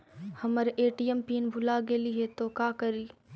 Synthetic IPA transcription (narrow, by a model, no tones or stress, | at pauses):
həməɾeːʈijempiːnbʱʊlaɡeːliɦet̪oːkaːkəɾiː